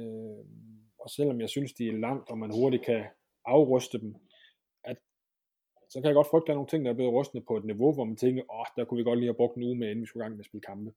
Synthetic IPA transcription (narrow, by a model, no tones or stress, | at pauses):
ø | ɒ̽sel̰ɒ̽mjɑ̈ɪsynsd̥iæɐlɑ̈ŋ̰d̥ɒ̽mænho̝ɐɾi̥kʰæ | ʔɑ̈ʊʁœsd̥əd̥em | ʔæd̥ | sɒ̽kʰæjaɡ̥ɒ̽d̥fʁœɡ̥d̥əæno̝ːn̩t͡sʰe̝ŋ̰d̥ɑ̈æɐb̥le̝ːð̩ˠʁɔsd̥n̩ˠpʰɒ̽e̝d̥niʋo̝ʋɒmænt͡sʰeŋɡ̥ɐʔɒhd̥æɐkʰuʋiɡ̥ɒ̽d̥liːhæb̥ʁɔ̽ɡ̥̚d̥en̩uːmee̝n̩ʋisɡ̥uɡ̥ɑ̈ŋ̰meɐsb̥e̝ləkʰɑ̈mb̥ə